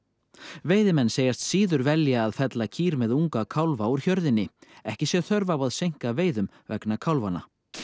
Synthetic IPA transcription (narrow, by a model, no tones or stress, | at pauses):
veːjðɪmɛnːseːjast̪siːðʏɾvɛljaːðfɛt̪lacʰiːɾmɛðuŋkakʰawlvauɾ̥çœɾðɪnːɪɛhcɪsjɛθœɾvawaðsejŋ̥kaveːjðʏm | vɛ̰knakʰawlvana̰